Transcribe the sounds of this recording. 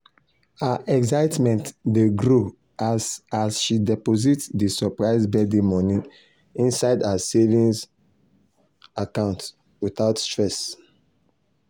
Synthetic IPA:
haʔɛksaɪtmɛ̃ntdeɡɹo | asasʃidɛpozitdisɔpɹaɪsbɛdemɔnĩ | ĩnsaɪdasevĩns | akãʊ̃nt | wiθaʊtstɹɛs

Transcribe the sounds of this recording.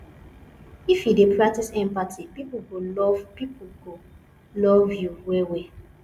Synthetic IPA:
ifjidepɹak̚tisɛ̃mpatʰipipuɡolɔvpipuɡo | lɔvjuwɛwɛ

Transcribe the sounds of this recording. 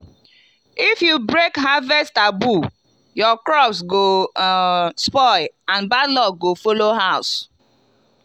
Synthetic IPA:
ifjubɹekɦavɛstabu | jɔkɾɔpsɡo | spɔãnbalɔɡofoloɦaʊs

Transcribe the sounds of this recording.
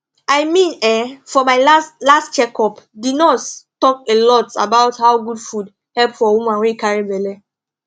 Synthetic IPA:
ajmĩnɛfɔmaɪlastt͡ʃɛkɔpdidnɔttɔkelɔta̰baʊthaʊɡudfud | hɛlpfɔwumãwekaɹibɛlɛ

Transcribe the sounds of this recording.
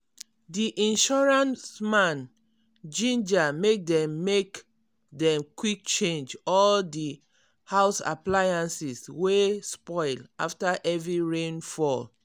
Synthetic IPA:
diʔĩnʃɔɹãnsmãn | d͡ʒĩnd͡ʒamek̚dɛ̃mːek | dɛ̃mkwik̚t͡ʃẽnd͡ʒɔldi | haʊsa̰plajãnsiswespɔɪla̰ftaʔɛvɹiɹẽnfɔl

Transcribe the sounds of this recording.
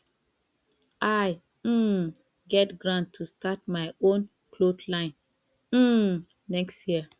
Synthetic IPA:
ʔaj̩ | ɡɛtɡɹãntʰːustat̚maɪõn | klodlãɪ̃n | m̩ | nɛkstjiə

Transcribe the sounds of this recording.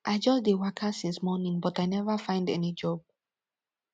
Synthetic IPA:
ʔaɪd͡ʒɔsdiwakʰəsĩnsmɔnĩŋbɔtajnɛvəfãɪ̃ndɛ̰nid͡ʒɔb̚

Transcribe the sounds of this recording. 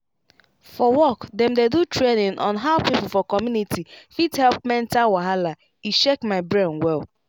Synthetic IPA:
fɔwɔkdɛm̩dedutɹɾenɪ̃ŋʔɔ̰̃nɦaʊpipʊl̩fɔkɔmjunitʰifithɛlp̚mɛ̃n̩tawaɦala | iʃekmaɪbɾenwɛl

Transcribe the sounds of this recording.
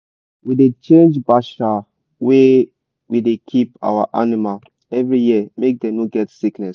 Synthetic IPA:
widet͡ʃẽnd͡ʒbaʃa | we | widekʰipa̰waʔa̰nimal | ɛvɹijiəmek̚dɛ̃muɡɛtsiknɛs

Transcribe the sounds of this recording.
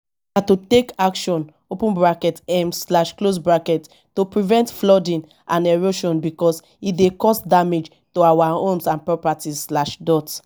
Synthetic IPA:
natutekakʃɔ̃n | opũnbɹakɛtɛ̃mslaʃklos̬bɹakɛt | topɹivɛ̃ntflɔdĩn | ãnɛɹoʃɔ̃nbikɔs | idekɔsdamed͡ʒ | toawaõmsãnpɹɔpatizslaʃdɔt

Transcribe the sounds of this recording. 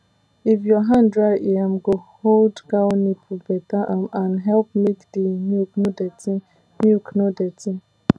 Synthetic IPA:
ifjɔɦãndɹaɪʔiamɡoholdɡanipʰubɛtaʔãmanɦɛlp̚mekdinuknodɛti | nuknodɛtĩ

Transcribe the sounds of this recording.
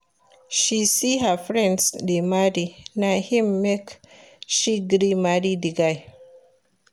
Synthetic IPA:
ʃisiɦəfɹɛ̃ndsdimadinajhĩmːekʃiɡɾimadidiɡaj

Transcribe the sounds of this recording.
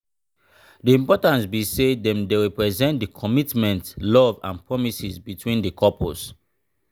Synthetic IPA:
diĩmpɔtãntbisedɛ̃mdeɹipɹɛzɛ̃ntdikʰɔmitmɛ̃ntlɔvã̰npɹɔmisizbitʰwĩndəkʰɔpʰɔ̰s

